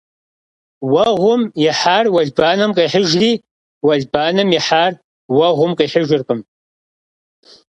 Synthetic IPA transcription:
wɐʁʷʊmjɛħaːrwɐɮbaːnɨmqʼejħəʒriː | wɐɮbaːnɨmjɛħaːr | wɐʁʷʊmqʼejħəʒɪrqʼəm

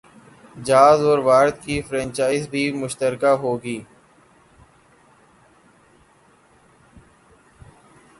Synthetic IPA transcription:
d͡ʒaːzɔːɾʋaːɾət̪kifɾɛ̃ːnt͡ʃaːɪzbʱiːmʊʃt̪əɾkaːɦoːɡiː

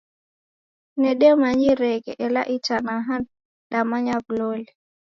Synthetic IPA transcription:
nɛɗɛmaɲiɾɛɡɛʔɛla̰ʔit͡ʃanaɦan | ɗamaɲaɡlolɛ

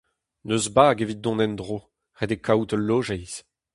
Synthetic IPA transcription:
nøzbaːɡevit̪̚d̪ɔ̃nɛnd̪ʁo | ʁed̪ekʰawt̪əlːoːʒɛjz̥

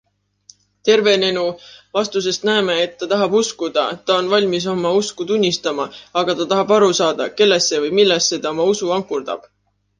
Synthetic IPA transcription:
t̪e̞rve̞ne̞nuvɑst̪us̬e̞st̪næeme̞ːt̪ːɑt̪ɑɦɑb̥uskud̪̥ɑt̪ːɑo̞nvɑlʲmis̬o̞mɑuskut̪unʲːist̪ɑmɑɑɡ̥ɑt̪ɑt̪ɑɦɑbɑɾusɑːd̪̥ɑ̰ke̞lːe̞sːe̞vɤjmilːesːe̞t̪ɑomɑusuɑŋkurd̪̥ɑ̰b̥

